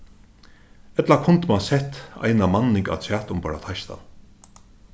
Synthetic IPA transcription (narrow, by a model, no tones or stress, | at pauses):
ɛt̪lakʰʊnt̪mansɛt̪a̰jnamanːɪŋka̰t̪ʰæːt̪ʊmpaːɾa̰t̪ʰaʃt̪ʰa̰n